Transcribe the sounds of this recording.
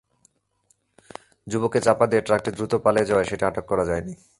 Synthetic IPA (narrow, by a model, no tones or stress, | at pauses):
d͡ʑuboket͡ɕapad̪ieeɾʈɾak̚ʈid̪ɾut̪opaled͡ʑaeʃeʈiaʈokːɔɾad͡ʑaeni